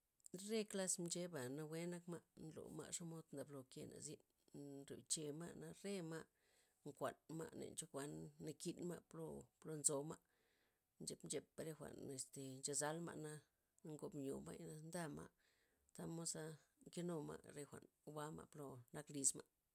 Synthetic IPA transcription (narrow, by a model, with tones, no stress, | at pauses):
ɾe˦kla˦smt͡ʃe˦ba˨na˧we˦na˦kma˧ʔnlo̰˨ma̰˧ʔʂo˦mo˧˦d̪nd̪a˨blo˨kḛ˧na̰˨zi˦n | ɾo̰˨t͡ʃe˧ma̰˦na˧ɾe˦ma˦ | ŋkʷa˨nma̰˦˧nḛ˨nt͡ʃo˦kʷa˧nːa˧ki˧nma˦plo˧plo˧nzo˧ma˦ | nt͡ʃe˧˦pmd͡ʒe˧pa˧ɾe˧xʷa̰˨ne˨st̪e˨nt͡ʃa˧za˦lma̰˧ʔna˧ | ŋɡo˧bɲo̰˨ma˦ja˧nd̪a˦ma̰˦ʔ | t̪a˦mo˦sa˧ŋke˦no˧ma̰˧ʔɾe˧xʷa̰˨n˧ba˦ma̰˧plo˧na˧kli˧sma˦